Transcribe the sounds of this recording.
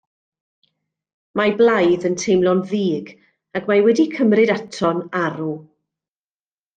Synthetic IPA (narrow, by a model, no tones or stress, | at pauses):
mablˠajðəntʰejmlˠɔnðiːɡ | aɡmawɛdikʰəmrɨdatʰɔnaɾu